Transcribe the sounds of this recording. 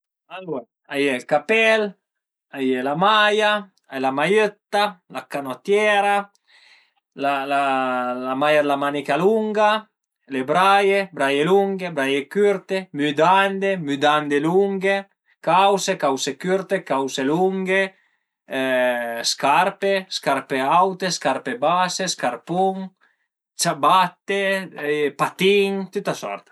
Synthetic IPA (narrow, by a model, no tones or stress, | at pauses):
alwe | ajelkapɛl | ajelamaja | ajlamajøt̪ːalakanot̪jɛɾa | lalalamajalamanikaluŋɡa | lebɾajebɾajeluŋɡebɾajekyɾt̪emyd̪and̪emyd̪and̪eluŋɡe | kawsekawsekyɾt̪ekawseluŋɡe | skaɾpeskaɾpeawt̪eskaɾpebaseskaɾpuŋ | t͡ʃabat̪ːe | pat̪iŋt̪ut̪ːasɔ̰ɾt̪ḁ